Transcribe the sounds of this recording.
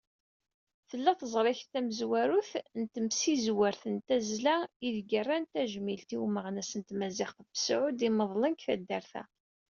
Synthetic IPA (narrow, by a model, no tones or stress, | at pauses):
θəlːæθəzˤɾˤɪçt̪æməzwæɾuθnt̪əmsizwəɾθənt̪æzlæiðɡərˤːænt̪æʒmilt̪iwməʁnæsənt̪mæzɪχθbsʕʊd̪iməðˤlənkθæ̰d̪ːæɾθæ̰